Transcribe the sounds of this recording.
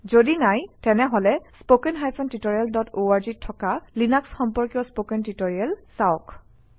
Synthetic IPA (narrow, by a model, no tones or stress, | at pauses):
zodinajtɛnɛɦɔlɛspokɛnɦajpʰɔntitoɹialdɔtʰoaɹzitʰːɔkalinaksxɔmpɔɹkjɔspokɛntitoɹiɛlsaɔk